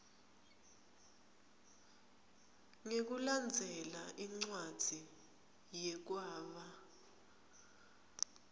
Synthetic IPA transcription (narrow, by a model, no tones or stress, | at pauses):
ŋek̬uland͡zʱɛlaʔiŋ͡ǀwad̥z̥ʱi | jɛk̬waːɓa